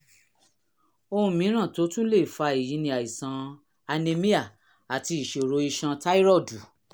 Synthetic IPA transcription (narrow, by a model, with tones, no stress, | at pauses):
o˧hũ˧mĩ˨˦ɾ̃ã˦˨to˨˦tũ˦le˦˨fa˧e˨ji˨˦nĩ˧a˨i˨sã˨˦ | a˧ne˧mĩ˦a˦˨ | a˨ti˧i˨ʃe˨ɾo˨˧˦i˧ʃã˧ta˦i˦ɾɔ˦˨du˨